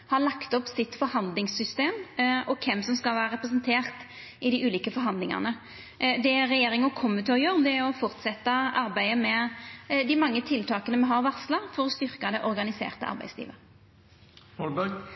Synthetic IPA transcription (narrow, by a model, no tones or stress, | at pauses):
hɑlɑkt̪ɔpːsɪt̪ːfɔɾhɑnd̪lɪŋsʏst̪eːmɔkʰɛmːsɔmskɑlʋæːɾəʁɛpɾəs̬ənt̪ʰeːʁt̪ | ɪd̪ɪʔʉːliːkəfɔɾɦɑnd̪lɪŋɑ̰nə | d̪ɛɾɛjeːɾɪŋɔkʰʊmːənt̪ʰøːɾjøːɾd̪ɛɾɔfɔʁt̪sɛt̪ːɑɑɾbæɪəmɛd̪ɪmɑŋːət̪ʰɪlt̪ʰɑːkənəmɛnɦɑɾʋɑʁslɑfɔɾɔst̪ʏʁkɑd̪ɛʔɔɾɡɑnɪsḛːʁt̪əɑ̰ɾbæ̰ɪslḭːʋə | ɔlbæɡ